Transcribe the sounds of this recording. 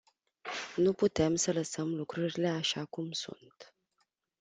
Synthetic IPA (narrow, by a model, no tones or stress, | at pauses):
nuput̪e̞msələsəmlukɾuɾile̞aʃakumsṵnt̪